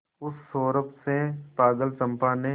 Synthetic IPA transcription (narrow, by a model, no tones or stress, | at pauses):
ʊsːoːɾəpsepaːɡəlt͡ʃə̃mpane